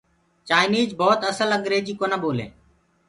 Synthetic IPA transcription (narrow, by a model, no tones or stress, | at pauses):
t͡ʃaːɪniːd͡ʒbɔːt̪əsələŋɡɾeːd͡ʒiːkoːnəboːlḛː